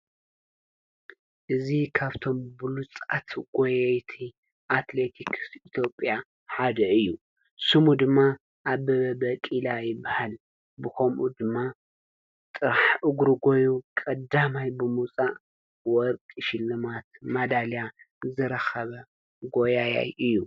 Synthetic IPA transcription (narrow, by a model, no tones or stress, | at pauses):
ʔɨzikʰaβt̪ʰo̞mbɨlut͡sʼat̪ɡ̥ojɐjt̪ʰi | ʔat̪le̞t̪ʰikʰsit̪ʰjo̞pʼja | ħad̪ɐɨjːu | sɨmud̪ɨmːa | ʔaβɐβɐbɐkʼilajɪbːahal | bɨkʰomʔud̪ɨmːa | t̪ʼɨɾaħʔɨɡɾuɡo̞jukʼɐd̪amajbɨmut͡sʼaʔ | wɔɾkʼɨʃɪlːɨmat̪mɐd̪alja | zɨɾɐxɐβɐ | ɡo̞jaja̰jɨjːu